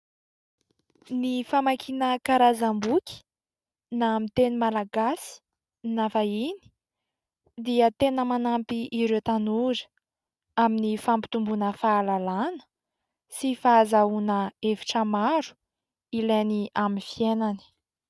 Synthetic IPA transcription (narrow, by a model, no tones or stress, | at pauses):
nifamakʰinəkaɾazambukʲi̥ | namit̪enimalaɡasi̥ | nafaini̥ | d̪iət̪enəmanampiʔiɾet̪anuɾə̥ | aminifampi̥t̪umbunəfaːlalanə̥ | sifaːzaunəefi̥ʈ͡ʂəmaɾu̥ | ileniʔaminfienani̥